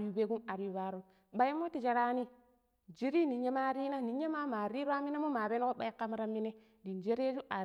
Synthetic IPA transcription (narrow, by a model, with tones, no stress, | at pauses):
i˨be˦ɡu˦na˨ɾu˨ba˦ɾu˦m | ɓa˦i˦mo˦ti˨d͡ʒa˨ɾa˦ni˦ | d͡ʒi˦ɾi˦ni˨ɲe˦ma˦ɾi˦na˦ni˨ɲe˦ma˦ma˨ɾi˦ɾa˦mi˦ne˦mo˦ma˨be˦n˦ko˦ɓa˦i˦ka˦m˦ɾa˦mːi˦ne˦ | di˨nd͡ʒe˦ɾe˦d͡ʒu˦ʔa˨